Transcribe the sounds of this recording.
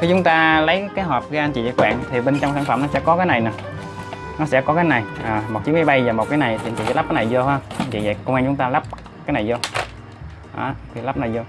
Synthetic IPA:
xi˧˩t͡ɕʊ˨˦ŋ͡mt̪aː˧lə˨˦jkaː˨˦jɦɔː˨˩p̚ɣəː˨˧˦ʔa˧nt͡ɕḭ˧˨zə̰˧˩kwɓa̰ː˧˨nt̪ʰi˨˩ɓe˧nt͡ɕɔ˧wŋ͡msaː˧˩nfə̰˧˩mnɔ˨˦sɛ̰˧˥˨kɔ˨˦kaː˨˦na˨˩jna˨˩ | nɔ˨˦sɛ̰˧˥kɔ˨˦kaː˨˦jna˨˩jʔəː˨˩mo˨˩t͡ɕi˨˦˥mː˨˧˦jɓa˧jvaː˨˩mo˨˩t̚kaː˨˦jna˨˩jt̪ʰi˨˧nt͡ɕḭ˧˨zɛ̰˧˨˦lp̚kːa˨˦na˨˩jzo˧hə˧m˧nt͡ɕḭ˧˨ə̰˧˨kə˧wŋaː˧ŋt͡ɕʊ˨˦ŋ͡mt̪aː˧la˦˥p̚ | kaː˨˦jna˨˩jzɔ˧ | ʔa̰ː˧˩t̪ʰi˨˩la˦˥p̚na˨˩jzo˧

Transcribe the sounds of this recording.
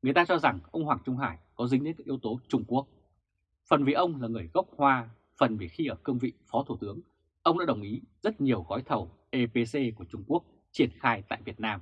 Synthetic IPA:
ŋɨ˨˩əjt̪aː˧t͡ɕɔ˧za˨˩ŋʔə˧wŋ͡mɦwaː˨˩ŋt͡ɕʊ˧ŋ͡mɦaː˧˩jkɔ˨˦zŋ̟ɗe˨˦nkaː˦˥kʔi˨˦wt̪o˨˦t͡ɕʊ˧ŋ͡mku˦˥ək̚ | fə˨˩nvi˨˩ʔə˧wŋ͡mlaː˨˩ŋɨ˨˩əjɣə˦˥wk͡p̚hwaː˧ | fə˨˩nvi˨˩xi˧ʔəː˧˩kɨ˧ŋ͡mvḭ˧˨fɔ˨˦t̪ʰu˧˩t̪ɨ˨˦əŋ | ʔə˧wŋ͡mɗa̰ː˧˥ɗə˨˩wŋ͡mʔi˨˦zə˦˥t̚ɲi˨˩əwɣɔ˨˦jt̪ʰə˨˩wʔe˧pe˧se˧ku˧˩ət͡ɕʊ˧ŋ͡mku˦˥ək̚ | t͡ɕi˧˩ənxaː˧jt̪a̰ː˧˨jvi˨˩ət̚naː˧m

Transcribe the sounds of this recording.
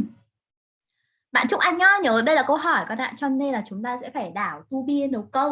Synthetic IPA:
ɓa̰ː˧˨nt͡ɕʊ˦˥k͡p̚ʔa˧jŋɲɔ˧ɲəː˨˦ɗə˧jlaː˨˩kə˧wɦɔ˧˩jkɔ˨˦na̰ː˧˨t͡ɕɔ˧ne˧nlaː˨˩t͡ɕʊ˨˦ŋ͡mt̪aː˧sɛ̰˧˥faː˧˩jɗaː˧˩wt̪u˧ɓi˧ənɗə˨˦wkə˧w

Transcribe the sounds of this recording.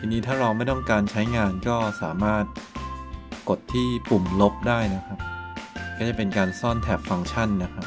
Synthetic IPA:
t̪ʰiː˧niː˦˥t̪ʰaː˥˩ɾa˧wma˥˩jt̪ɔ˥˩ŋkaː˧nt͡ɕʰa˦˥jŋaː˧nkɔː˥˩sa̰ː˩˦maː˥˩t̪̚ | ko˨˩t̪ʰːiː˥˩pu˨˩mlo˦˥p̚daː˥˩jna˦˥kʰa˦˥p̚kɔː˥˩t͡ɕa˨˩pe˧nkaː˧nsɔː˥˩nt̪ʰɛː˨˩p̚fa˧ŋt͡ɕʰa˥˩nːa˦˥kʰa˦˥p

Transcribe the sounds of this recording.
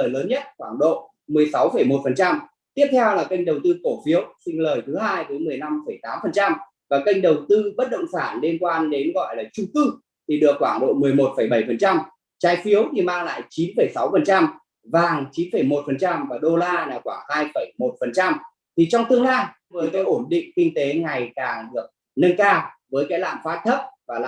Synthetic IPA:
jləː˨˦nɲə˦˥t̚kwaː˧˩ŋɗo̰˧˨ | mɨ˨˩əjsa˨˦wfə˧˩jmo˨˩t̚fə˨˩nt͡ɕa˧m | t̪i˦˥əp̚t̪ʰɛ˧wlaː˨˩kə˧jŋ̟ɗə˨˩wt̪ɨ˧k̪o˧˩fi˨˦əwsï˧ŋ̟ləː˨˩jt̪ʰɨ˨˦haː˧jvəː˨˦jmɨ˨˩əjna˧mfə˧˩jt̪aː˨˦mfə˨˩nt͡ɕa˧m | vaː˨˩kə˧jŋ̟ɗə˨˩wt̪ɨ˧ɓə˦˥t̚ɗə̰˧˨wŋ͡msaː˧˩nle˧nkwaː˧nɗe˨˦nɣɔ̰˧˨jlaː˨˩t͡ɕʊ˧ŋ͡mkɨ˧ | t̪ʰi˨˩ɗɨ˨˩əkːwaː˧˩ŋɗo̰˧˨mɨ˨˩əjmo˨˩t̚fə˧˩jɓə˧˩jfə˨˩nt͡ɕa˧m | t͡ɕaː˨˦jfi˨˦əwt̪ʰi˨˩maː˧ŋla̰ː˧˨jt͡ɕi˨˦nfə˧˩jsa˨˦wfə˨˩nt͡ɕa˧m | vaː˨˩ŋt͡ɕi˨˦nfə˧˩jmo˨˩t̚fə˨˩nt͡ɕa˧mvaː˨˩ɗo˧laː˧laː˨˩wkwaː˧˩ŋhaː˧jfə˧˩jmo˨˩t̚fə˨˩nt͡ɕa˧m | t̪ʰi˨˩t͡ɕɔ˧wŋ͡mt̪ɨ˧əŋlaː˧j | vɨ˨˩ənt̪o˧jʔo˧˩nɗḭ˧˨ŋ̟kï˧ŋ̟t̪e˨˦ŋa˨˩jkaː˨˩ŋɗɨ˨˩ək̚ | nə˧nkaː˧vəː˨˦jkaː˨˦˥jla̰ː˧˨mfaː˦˥t̚t̪ʰə˦˥p̚vaː˨˩la̰˧˨

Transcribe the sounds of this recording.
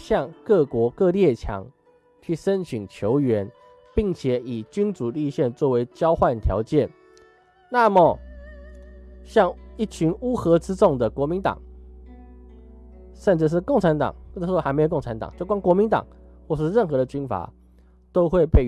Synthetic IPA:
ɕjɑ˥˧ŋkɤ˥˩kwɔ˧˥kɤ˥˧ljɛ˥˩t͡ɕʰjɑ̰˧˥ŋ | t͡ɕʰy˥˩ʂə˦nɕi˨˩nt͡ɕʰjo˧˦ʊɥɛ˧˥n | pi˥˩ŋt͡ɕʰjɛ˨˦i˨˩t͡ɕy˥nt͡su˨˩li˥˧ɕjɛ˥˧nt͡swɔ˥˩we˧˥ɪt͡ɕjɑ˥ʊxwa˥˩nt̪ʰjɑ̰˧˥ʊt͡ɕjɛ˥˩n | na˥˩mə˩ | ɕjɑ˥˩ŋi˥˩t͡ɕʰy˧˥nu˥xɤ˧˥t͡sɹ̩˥t͡sʊ˥˩ŋd̪ə˩kwɔ˧˥mi˧˥nt̪ɑ̰˨˩˦ŋ | ʂə˥˧nt͡s̩˥˧˩ʂ̬ɻ̩˥˩kŋʈ͡ʂʰa˧˥nt̪ɑ̰˨˩ŋ̩˥˧˥a˧˥me˧˥˨kŋʈ͡ʂʰa˧˦˥nt̪ɑ̰˨˩ŋt͡ɕjo˥˩ʊkwa˥ŋkwɔ˧˥mi˧˥nt̪ɑ̰˨˩ŋxwɔ˥˩˨ʂ̩˥˧ɻə˥˩nxɤ˧˥d̪ə˧t͡ɕy˥nfa̰˨˩˦ | t̪o˥ʊxwe˥˧ɪpe˥˩ɪ

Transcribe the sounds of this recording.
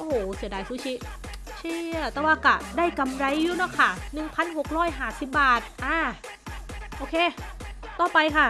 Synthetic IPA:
ʔo˧˩hoː˨˩si˨˩˦daː˧jsuː˦˥t͡ɕʰi˦˥ | t͡ɕʰiː˧˥˩ə˨˩t̪ɛː˧˩waː˧˩ka˨˩daː˥˩jka˧mɾa˧˥jːuː˧˥nɔ˦˧˥kʰa˥˩nɯ˨˩ŋpʰa˧˨nɦo˨˩k̚ɾɔː˥˩jɦaː˧˩si˨˩p̚baː˨˩t̪̚ʔaː˧˩ | ʔoː˧kʰeː˧˥˩t̪ɔː˧˩pa˧jkʰa˥˩

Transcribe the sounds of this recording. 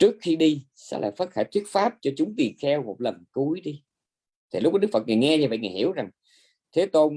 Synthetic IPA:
t͡ɕɨ˦˥ək̚xi˧ɗi˧ | sɛ̰˧˥la̰ː˧˨˩jfaː˦˥t̚xaː˧˩jt̪ʰwi˦˥ət̚faː˦˥p̚t͡ɕɔ˧t͡ɕʊ˨˦ŋ͡mt̪i˨˩ənxɛ˧wmo˨˩t̚lə˨˩nku˨˦əjɗi˧ | t̪ʰi˨˩lk͡p̚ɔː˨˦˥k̚fə˨˩t̚ŋaː˨˩jŋɛ˧ɲaː˧və̰˧˨jŋaː˨˩hi˧˩əwza˨˩ŋ | t̪ʰe˨˦t̪o˧n

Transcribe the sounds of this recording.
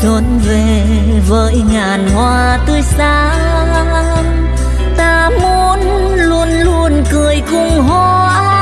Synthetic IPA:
t̪ə˨˦nve˨˩ | vəː˧˦jŋaː˨˩nhwaː˧ | t̪ɨ˧əjsaː˧ | t̪aː˧ | mu˧˦ən | lu˧ənlu˧ənkɨ˨˩əjkʊ˧ŋ͡mɦwa˧˩˧

